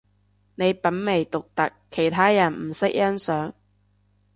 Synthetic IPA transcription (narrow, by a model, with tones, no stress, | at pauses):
ne˨˧jpɐ˨˥nme˨˩jt̪ʊ˨k̚t̪ɐ˨kʰːe˨˩jt̪ʰaː˥jɐ˨˩nm̩˨˩sɪ˥k̚jɐ˥nsœː˨˥ŋ